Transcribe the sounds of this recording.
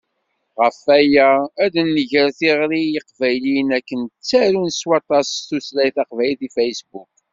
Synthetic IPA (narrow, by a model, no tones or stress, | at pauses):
ʁəfæjæːðnːəʝəɾθiʁɾijiqvæjlinækːənt͡sːæɾunswɑt̪ˤɑsθuslæjθɑqvæjliθifæjsbuk̚